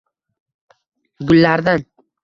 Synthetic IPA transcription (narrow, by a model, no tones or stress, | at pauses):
ɡʊlːaɾd̪an